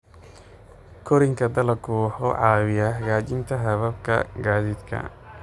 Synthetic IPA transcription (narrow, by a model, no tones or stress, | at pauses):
kʰɔɾɪŋkʰɐd̪ɐlɐkʰʊħɔʕɑːβɪjɐhɡaːt͡ʃɪnt̪ʰɐɦɐβɐb̚kʰɐ̰ɡaːdɪd̪kʰɐ̰